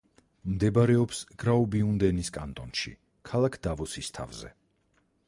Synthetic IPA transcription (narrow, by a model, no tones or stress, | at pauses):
md̪ɛbaɾɛɔpsɡ̥ɾaɔbiund̪ɛniskʼa̰nt̪ʼɔnʃḭ | kʰalˠakʰd̪̥avɔsist̪ʰa̰vzɛ̰